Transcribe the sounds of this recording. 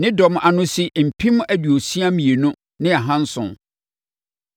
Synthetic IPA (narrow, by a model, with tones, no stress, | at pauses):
nɪ̃˦dɔ˨mʔa˨nʊ̃˦si˦m̩˨pʰĩ˦m˦æ˨dɥo˨si˦a˦mĩ˨e˨nʊ̃˦ | nɪ̃˦a˨ɦã˦n̩˦sʊ̰̃˨n